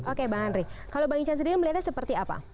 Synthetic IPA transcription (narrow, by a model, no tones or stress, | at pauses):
ʔokebaŋanrɪkalobaŋit͡ʃans̬ədiɾiməliat̪jasəpərt̪iapa̰